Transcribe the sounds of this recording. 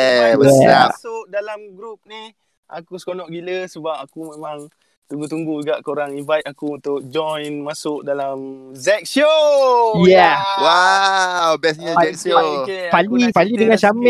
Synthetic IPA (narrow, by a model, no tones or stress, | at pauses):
əsasʊk̚dalamɡɾup̚nih | ʔa̰kusə̥konɔʔɡiləsəbap̚akumẽmaŋ | t̪uŋɡut̪uŋɡuɡaʔkoɾaŋinvajt̪̚akuunt̪ʊk̚d͡ʒɔjnmasʊkdalamzɛk̚sio | jawa | wbɛsɲəɛksopalipalidəŋanʃamɛ